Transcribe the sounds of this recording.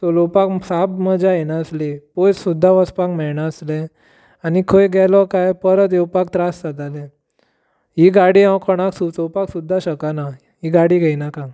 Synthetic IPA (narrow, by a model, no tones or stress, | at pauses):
solopaksabməd͡zajenaəslepojt͡ssud̪ʱːaʋəspakmɛɭɳaəslɛ | anikʰojɡʱɛlɔkajpəɾət̪̬jewpak̚t̪ɾasːad̪alẽ | ɦiɡaɽiãwkʰɔɽ̃aksusopaksud̪ʱːaɕəkana | ɦiɡaɽiɡʱɛjnakã